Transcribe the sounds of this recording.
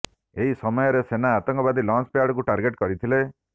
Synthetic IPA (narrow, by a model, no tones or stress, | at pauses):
eɦisɔmɔjɔɾesenaːt̪ɔŋkɔbad̪ʱilɔnspeaɽɔk̬uʈaɾɡeʈkɔɾit̪ʰile